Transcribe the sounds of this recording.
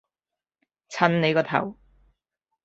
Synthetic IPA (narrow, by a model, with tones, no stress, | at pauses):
t͡sʰɐ˧nne˨˧jkɔː˧t̪ʰɐ̰˨˩w